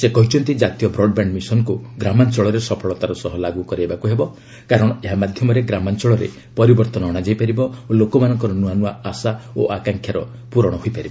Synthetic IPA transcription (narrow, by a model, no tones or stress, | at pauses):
sekɔɦit͡ʃʰɔnt̪id͡ʒat̪ijɔbɾɔɖ̚baɳɖmisɔnkuɡɾamant͡ʃɔɭɔɾesɔpʰɔɭɔt̪aɾɔsɔɦɔlaɡukɔɾiebakuɦebɔ | kaɾɔɽ̃ɔeɦamad̪ʱjɔmɔɾeɡɾamant͡ʃɔɭɔɾḛ | pɔɾibɔɾt̪ɔnɔːɽ̃ad͡ʒajpaɾibɔolokɔmanɔŋkɔɾɔnuanuaasaoʔakaŋkʰjaɾɔ | puɾɔɽ̃ɔɦoipaɾibɔ